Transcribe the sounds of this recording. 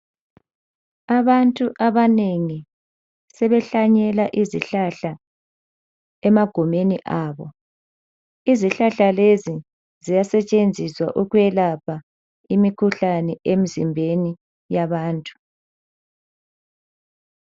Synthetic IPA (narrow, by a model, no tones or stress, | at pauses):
aβantʼuʔaβaneŋi | sɛβɛɬaɲɛlaʔizḭɬaɬa | ɛmaɡ̥ʱumeniʔaːβɔ | iziɬaɬalezi | zijasɛt͡ʃʼend͡zʱiswa̰ʔuɣwɛlapʰa | imikʰuɬanɛem̩zimbʱeni | jaβaːntʼu̥